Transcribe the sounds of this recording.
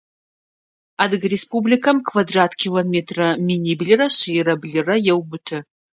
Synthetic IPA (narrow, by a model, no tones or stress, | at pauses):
adɨɡrespublikʰɐmkʰvadratʰkʲʰilometʰrɐminʲiblʲɨrɐʃijrɐblʲɨrɐjɛwbʊtʰɨ